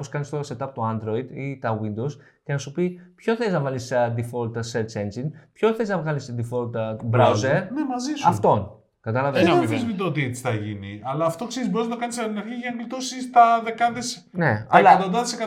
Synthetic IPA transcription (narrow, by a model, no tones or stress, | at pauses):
poskɐnist̪o̞ɾɐset̪ɐpot̪o̞ɐnd̪ɾo̞id̪it̪ɐwind̪ows | ce̞nɐsupipçoθeliznɐvɐlisd̪ifo̞lt̪seɾt͡ʃe̞nd͡ʒinpçoθeliznɐvɣɐlisd̪ifolt̪bɾawzeɾne̞mɐzisɐftt̪o̞n | kɐt̪ɐlɐveniizmid̪oot̪̬iet͡si̥θɐʝiniɐlɐːft̪o̞kseɾizboiznɐt̪kɐnisɐt̪inɐɾçiʝɐnlt̪osist̪ɐðekɐðes | ne̞ɐlɐɐt̪ond̪ɐðesekɐ